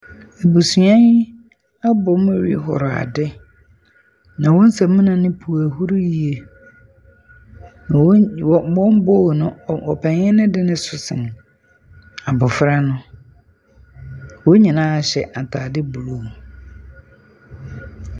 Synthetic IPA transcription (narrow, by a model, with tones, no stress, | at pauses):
e˨bu˨su˨ã˦ | a˦bʊ˨˦mʊ̃˦ɾḭ˦ɦɔ̰˨ɾɔ˨a̰˨dɪ˦ | nã˨wɔ̃˦n̩˦sa˨mĩ˦nã˨nɪ̃˦pʰu˨æ˨hu˦ɾu˦ji˨e˨˦ | wɔ˦m˦bɔ˦˨nʊ̃˦˨ɔ˨pʰɛ̃˨ɲɛ̃˦nɪ̃˦dɪ˦nɪ̃˦sʊ˨sɪ̰˨n˨ | a˨bʊ˨fɾa˦nʊ̃˦ | wo˦ɲĩ˨nãː˦a˨ɕɛ˨ʔa˨tʰaː˨dɪ˦bu˨lu˦˨